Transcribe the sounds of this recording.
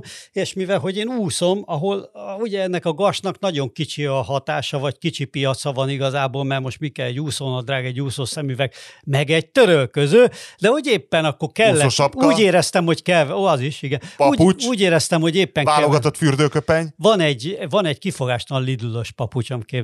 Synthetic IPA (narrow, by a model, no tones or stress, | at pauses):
eːʃmivɛlɦo̞ɟeːnuːso̞mɒɦo̞luɟɛɛnːɛkɒɡɒʃnɒkn̪ɒɟo̞ŋkit͡ʃiɒɦɒt̪aːʃɒvɒckit͡ʃipijɒt̪sɒvɒniɡɒzaːboːlmɛrmo̞ʃt̪mikɛlɛɟuːsoːnɒd̪raːɡɛɟuːsoːsɛmyvɛkmɛɡɛɟ̚t̪øɾølkøzøːd̪ɛho̞ɟeːpːɛnɒkːo̞rkɛllːɛoʃɒuːɟeːɾɛst̪ɛmho̞ckɛloɒziʃiɡɛnpuːɟut͡ʃuːɟeːɾɛst̪ɛmho̞ɟeːpːɛŋaːloɡɒt̪ot̪fyrd̪øːkøpɛɲvɒnɛɟvɒnɛɟkifo̞ɡaːʃt̪ɒnlid̪ulo̞ʃpɒput͡ʃɒmikeː